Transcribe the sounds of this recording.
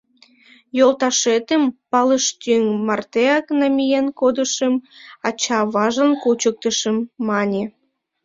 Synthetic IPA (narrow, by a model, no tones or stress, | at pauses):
jolt̪ɑʃet̪əmpɑləʃt̪yŋmɑrt̪eɑknɑmʲijenkod̪əʃəmɑt͡ɕɑβɑʒənkut͡ɕək̚t̪əʃəmːɑnʲe